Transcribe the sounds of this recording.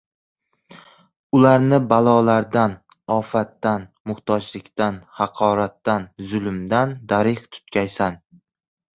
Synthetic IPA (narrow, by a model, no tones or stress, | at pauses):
ʊlaɾnɪbalˠɒlaɾd̪an | ɒfat̪ːanmʊht̪ʰɒd͡ʒlɪkʲt̪anhɑqʰɒːɾat̪ːanzʊlˠmd̪and̪aɾɪht̪ʰʊ̥t̪̚kʲʰajsan